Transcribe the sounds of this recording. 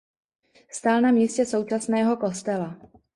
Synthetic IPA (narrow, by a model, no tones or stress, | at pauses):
fst̪alnamiːscɛso̞wt͡ʃasnɛːɦo̞ko̞st̪ɛla